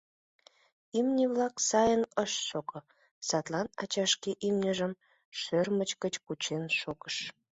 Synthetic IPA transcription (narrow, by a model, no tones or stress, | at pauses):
imnʲeβlɑksɑjənəʃʃoko | sɑt̪lɑnɑ̰t͡ɕɑʃkeʔimnʲəʒəm | ʃørmət͡ɕkət͡ɕkut͡ɕenʃokəʃ